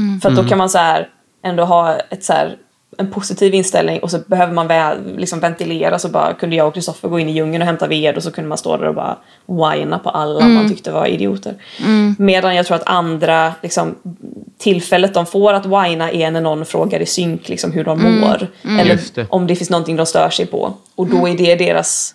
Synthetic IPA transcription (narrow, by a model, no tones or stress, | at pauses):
fœɾat̪̚d̪ɔkʰanmanshæɾ | ʔɛnd̪oːɦɑːɛt̪sæ̰ːɾ | ɛnpʰʊsɪt̪ʰiːvɪnst̪ɛ̰lnɪŋʔɔsɔbɛɦøːvəɾmanvɛlɪksɔmvɛnt̪ɪleːɾasɔbɑ̰ːɾa̰kʰɵnd̪əjɑːɡɔkʰɾɪst̪ɔfːəɾɡoːɪnːɪjɵŋːənɔɦɛmt̪aveːd̪ʊs̬ɔkʰɵnd̪əmanst̪o̰ːd̪æ̰ɾɔ̰bɑ̰ːɾa̰ | wajnapʰɔʔalːaɔmːant̪ʰʏk̚t̪əva̰ɪ̰d̪ɪṵːt̪ʰə̰ɾmeːd̪anjɑɡt̪ʰɾuːɾat̪and̪ɾalɪksɔmt̪ʰɪlːfɛlːət̪̚d̪ɔmfoːɾat̪wajnaʔɛnænɔnːfɾoːɡaɾɪsʏŋklɪ̰ksɔmɦɵɖɔmːoːɾɛlːəɾʔɔmd̪ɛfɪnstnɔnt̪ɪŋd̪ɔmst̪œ̰ːʂɛjpʰɔ̰ | ɔd̪ɔæɖɛɖeːɾa̰s